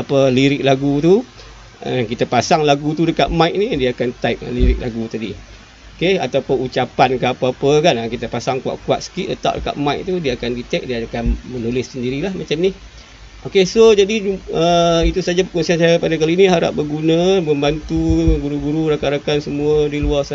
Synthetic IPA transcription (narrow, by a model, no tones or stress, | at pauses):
apəliɾɪk̚laɡut̪u | ə̰kit̪apasaŋlaɡut̪udəka̰t̪̚majk̚nidiaːkant̪aip̚liɾɪk̚la̰ɡut̪adḭ | okea̰t̪apʊnut͡ʃapankəapaapəkanakit̪əpasaŋkua̰ʔkua̰t̪̚sə̥kiʔət̪a̰ʔdəka̰t̪̚majʔ̚t̪udiəakandit̪ɛk̚diakanmənulɪsːəndiɾilahmat͡ʃamnih | ʔokesod͡ʒadiəit̪usad͡ʒapəkɔnsiansajapadakaliːniɦaɾa̰ʔ̚bəɡunəməmbant̪uɡuɾuɡuɾuɾakaɾakansəmuədiluasa